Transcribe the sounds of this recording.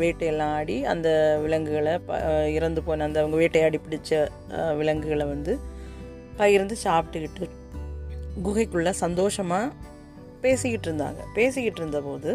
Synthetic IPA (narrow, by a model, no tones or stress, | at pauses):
ʋeːʈːɐjɛlːãːaːɽiɐ̰nd̪ɐʋɪlɐŋɡɯɣɐɭɐpɪɾɐnd̪ɯpoːnɐːnd̪ɐʋɐŋɡɐʋeːʈːɐjaːɽipɪɽɪt͡ʃːɐ | ʋɪlɐŋɡɯɣɐɭʋɐnd̪ɯ | pɐjɪɾɯnd̪ɯt͡ʃaːpɪʈːɯkɪʈːɯ | ɡʊɣɐɪkːɯɭːɐsɐnd̪oːʂɐmaː | peːsɯkːɪʈːɪɾɯnd̪a̰ːŋɡɐ̰peːsɯkːɪʈːɪɾɯnd̪ɐpoːðɯ